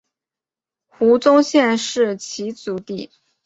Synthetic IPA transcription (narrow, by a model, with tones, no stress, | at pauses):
xu˧˥t͡sʊ˥ŋɕjɛ˥˧nʂɻ̩˥˩t͡ɕʰi˧˥t͡su˧˥t̪i˥˩